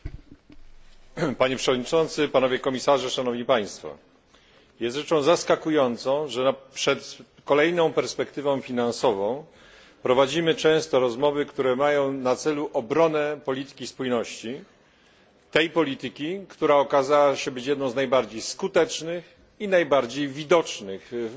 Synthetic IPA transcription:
paɲɛpʂɛvɔd̪̚ɲit͡ʂɔnt̪sɘpanɔvʲjɛkɔmʲisaʐɛʂanɔvɲipaj̃st̪fɔ̰ | jɛst̪ʐɛt͡ʂɔ̃w̃zaskakujɔnt̪sɔ̃w̃ʐɛnpʂɛt̪ | kɔlɛjnɔ̃w̃pɛɾspɛkt̪ɘvɔ̃w̃fʲinansɔvɔ̃w̃ | pɾɔvad͡ʑimɘt͡ʂɛ̃w̃st̪ɔɾɔzmɔvɘkt̪uɾɛmajɔ̃w̃nat̪sɛluʔɔbɾɔnɛpɔlʲit̪ɘ̥kʲispujnɔɕt͡ɕi | t̪ɛjpɔlʲit̪ɘkʲikt̪uɾaɔkazawaɕɛbɘt͡ɕjɛd̪nɔ̃w̃znajbaɾd͡ʑejskut̪ɛt͡ʂnɘx | inajbaɾd͡ʑejvʲid̪ɔt͡ʂnɘx

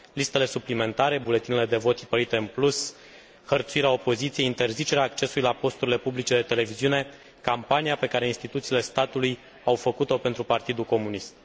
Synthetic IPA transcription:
list̪ele̞suplime̞nt̪aɾe̞bule̞t̪inele̞d̪e̞vo̞t̪i̥pəɾit̪e̞ɨnplus | hərt̪suiɾeao̞po̞zit̪sieint̪e̞rzit͡ʃe̞ɾeaːk̚t͡ʃe̞suluilapo̞st̪uɾile̞publit͡ʃe̞d̪e̞t̪e̞le̞viziune̞ | kampanijape̞kaɾeinst̪it̪ut̪siːle̞st̪at̪uluj | awfəkut̪o̞pe̞nt̪ɾupart̪id̪ulko̞munist̪̚

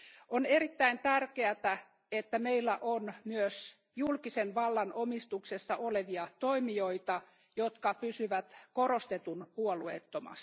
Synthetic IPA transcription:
oneɾit̪ːæint̪ærkeæt̪æ | et̪ːæmeilːæʔonmyøs | julkisenʋɑlːɑnʔomist̪uksesːɑʔoleʋiɑt̪oimioit̪ɑ | jot̪kɑpysyʋæt̪koɾost̪et̪unpuoluḛt̪ːomɑ̰st̪

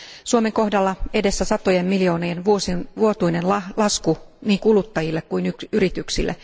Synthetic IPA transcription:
suomeŋko̞hdɑlːɑe̞desːæsɑt̪ojemmiljo̞ːnenʋuosinʋuot̪uinenlɑlɑskuniːŋkulut̪ːɑjilːekkuinykyrit̪yksilːʔḛ

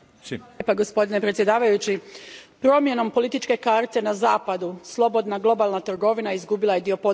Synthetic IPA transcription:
paɡo̞spo̞d̪ine̞pɾet̪sʲje̞d̪aːʋajut͡ɕipɾo̞mje̞no̞mpo̞lit̪it͡ʃke̞kaɾt̪e̞nazaːpad̪uslˠo̞bo̞d̪naɡlˠo̞balˠnat̪ɾɡo̞ʋinaizɡubilˠaje̞d̪io̞po̞

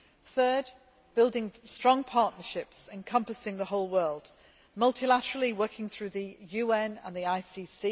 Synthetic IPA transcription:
θɜːd | b̥ɪlˠdɪ̃ŋstɹ̥ɒ̃ŋpʰɑˑʔnəʃɪpsɪ̃nkʰʌ̃mpəsɪ̃ŋðəɦoʊlˠwɜːlˠd̥ | mʌlˠtʰɪlatəɹəl̩ˠɪwɜˑkʰɪ̃ŋθɹʉːðəjʉːɛ̃nə̰̃nðiaɪsiːsi

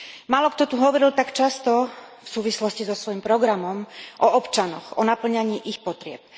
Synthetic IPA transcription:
maːlɔkt̪ɔt̪uɦɔʋɔɾilt̪akt͡ʃast̪ɔfsuːʋislɔscizɔsʋɔjimpɾɔɡɾamɔmʔɔɔpt͡ʃanɔxɔnapl̩ɲaɲiːʔixpɔt̪ɾɪɛ̰p̚

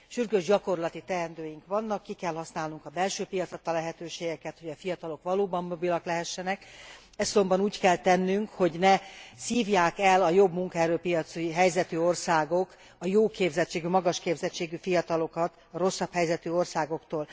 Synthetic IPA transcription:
ʃyrɡøːʒɟɒko̞rlɒt̪it̪ɛɛnd̪øːjiŋkʋɒnːɒkːikɛlhɒsnaːlnuŋkɒbɛlʃøːpijɒt̪sɒt̪ːɒlɛɦɛt̪øːʃeːɡɛkɛt̪hoɟɒfijɒt̪ɒlokʋɒloːbɒmːo̞bilɒklɛɦɛʃːɛnɛk | ɛzzo̞mbɒnuːckɛlt̪ɛnːyŋkho̞ɟnɛsiːvjaːkɛlɒjo̞bmuŋkɒɛːɾøːpijɒt̪suiɦɛjzɛt̪yo̞rsaːɡo̞k | ɒjoːkeːbzɛt͡ʃːeːɡymɒɡɒʃkeːbzɛt͡ʃːeːɡyfijɒt̪ɒlo̞kɒt̪ | ɒɾo̞sːɒphɛjzɛt̪yo̞rsaːɡo̞kt̪oːl

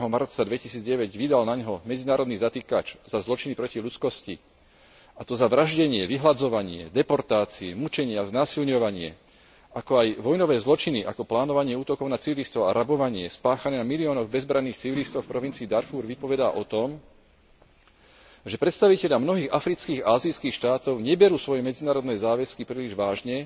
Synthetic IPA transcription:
ɛɦɔmaɾt̪t͡sad̪ʋɛcisiːd͡zɟɛʋɛɟʋid̪alnaɲɦɔmɛd͡zinaːɾɔd̪niːzat̪iːka̰t͡ʃzazlɔt͡ʃinipɾɔciʎut͡skɔsci | at̪ɔzaʋɾaʒɟɛɲɪɛʋiɦlad͡zɔʋaɲɪɛ̰d̪ɛpɔɾt̪aːt͡siɛmut͡ʃɛɲɪɛaznaːsilɲɔʋaɲɪɛ̰ | ʔakɔajʋɔjnɔʋɛːzlɔt͡ʃiniʔa̰kɔplaːnɔʋaɲɪɛuːt̪ɔkɔʊnat͡siʋilist̪ɔʊa̰ɾabɔʋaɲɪɛspaːxanɛːnamiliɔːnɔɣbɛzbɾanːiːxt͡siʋilist̪ɔʊfpɾɔʋint͡siːd̪aɾfuːɾʋipɔʋɛd̪a̰ːʔɔt̪ɔm | ʒɛpɾɛt̪st̪aʋicɛʎamnɔɦiːɣafɾit͡skiːɣaːzit͡skiːxʃt̪aːt̪ɔʊɲɛbɛɾuːsʋɔjɛmɛd͡zinaːɾɔd̪nɛːzaːʋɛskipɾiːliʒʋaːʒɲɛ

